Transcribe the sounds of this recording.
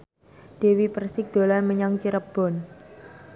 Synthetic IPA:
d̥e̤wipərsɪk̚d̪̥o̤lanməɲaŋt͡ʃiɾəb̥ɔn

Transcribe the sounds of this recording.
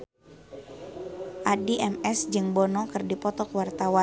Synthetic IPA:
ʔadiʔɛmɛsd͡ʒɨŋbɔnɔkɨrdipɔt̪ɔkwart̪awa

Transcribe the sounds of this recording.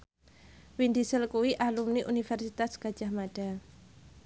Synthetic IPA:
wind̪isəlkuwiʔalumniʔunifɛrsit̪asɡ̥ḁʒ̥ahmaɖ̥a

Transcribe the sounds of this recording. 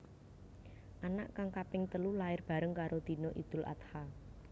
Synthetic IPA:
ʔana̰ʔkaŋkapɪŋt̪əlulaɪrb̥a̤ɾəŋkaɾod̪̥i̤noʔḭd̪̥ʊ̤lʔa̰t̪ha

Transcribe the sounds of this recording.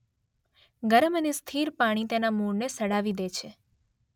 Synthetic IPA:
ɡəɾəmənest̪ʰiɾpaɽ̃it̪enamuɾnesəɽaʋid̪et͡ʃʰe

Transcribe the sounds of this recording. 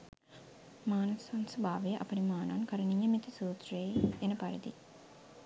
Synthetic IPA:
maːnɐsɐnsubʱaːʋejɐʔɐpɐnimaːna̰ːnkɐɾɐniɲːɐmit̪ʰɐsuːt̪ɾeːenɐpɐɾɐd̪i

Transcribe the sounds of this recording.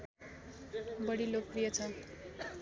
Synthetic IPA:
bʌɽilok̚prijʌt͡sʰʌn

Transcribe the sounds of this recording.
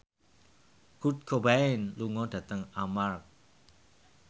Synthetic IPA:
hut̪̚kʰobaɪnluŋɔd̥ä̤t̪əŋamark̚

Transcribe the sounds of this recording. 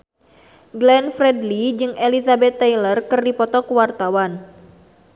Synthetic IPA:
ɡlɛnfrɛdlid͡ʒɨŋʔɛlisabɛt̪ːɛjlərkɨrdipɔt̪ɔkuwart̪awan

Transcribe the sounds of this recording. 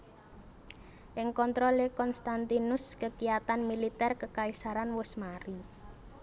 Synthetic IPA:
ʔɪŋkɔnt̪ɾɔlekɔnst̪ant̪inʊskəkijat̪anmilit̪ɛrkəkaisaɾanwʊsmaɾi

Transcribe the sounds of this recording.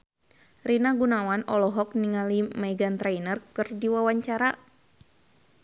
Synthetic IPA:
rinaɡunawanɔlɔɦɔk̚niŋalimajɡant̪ɾajnərkɨrdiwawaɲt͡ʃaɾa

